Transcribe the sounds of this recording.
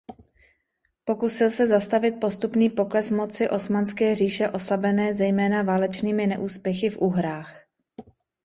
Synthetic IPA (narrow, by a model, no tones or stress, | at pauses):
po̞kusɪlsɛzast̪avɪt̪̚po̞st̪upniːpo̞klɛsmo̞t͡sɪʔo̞smanskɛːr̝iːʃɛʔo̞slabɛnɛːzɛjmɛːnavaːlɛt͡ʃniːmɪnɛ̰ʔuːspjɛxɪfʔuːɦɾaːx